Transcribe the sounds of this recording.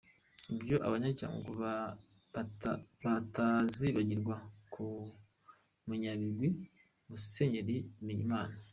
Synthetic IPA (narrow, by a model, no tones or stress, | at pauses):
ibjo̞ʔa̰βaɲaca̰ŋɡo̰ku | βataziβaɟiɾɡwakʰu | muɲaβiɾɡwi | museɲeɾiniḭmaːna